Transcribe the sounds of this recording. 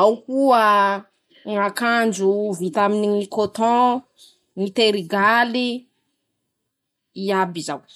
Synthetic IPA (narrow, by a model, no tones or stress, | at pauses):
awkuə | ŋakand͡ʒuvit̪aminikot̪ɔ̃ | ŋit̪eɾiɡali | iabizaw